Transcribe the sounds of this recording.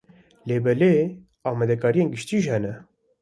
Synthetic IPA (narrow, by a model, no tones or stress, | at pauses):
leːbɛle | ɑːmɛd̪ɛkʰɑːɾijeːnɡɪʃt̪iːʒhɛnɛ